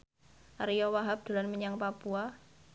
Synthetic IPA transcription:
ʔaɾijɔwaɦap̚d̪̥o̤lanməɲaŋpapua

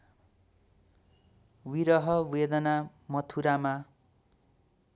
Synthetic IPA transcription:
wiɾʌɦʌwed̪ʌna | mʌt̪ʰuɾama

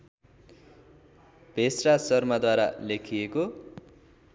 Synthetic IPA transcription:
b̥ʱesrasʌrmad̪waɾalekʰijeko

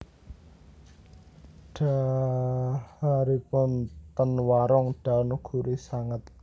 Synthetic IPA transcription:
ɖ̥a̤ | haɾipʊnt̪ənwaɾɔŋɖ̥a̤nuɡ̥ṳɾisaŋət̪̚

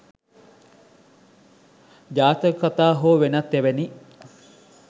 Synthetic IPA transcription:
d͡ʒaːt̪əkɐt̪aːɦoːʋenɐt̪ːeʋeni

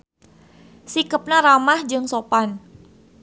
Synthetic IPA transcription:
sikəp̚naɾamahd͡ʒɨŋsopan

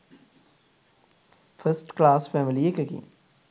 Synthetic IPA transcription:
fəsʈklaːsfɛmiliekekḭn

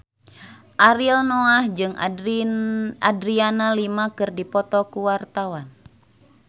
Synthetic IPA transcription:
ʔaɾilnoahd͡ʒɨŋ | adɾianalimakɨrdipɔt̪ɔkuwart̪awan

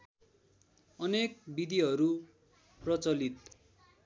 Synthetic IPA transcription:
ʌnek̚bid̪iɦʌɾu | prʌt͡sʌlit̪̚

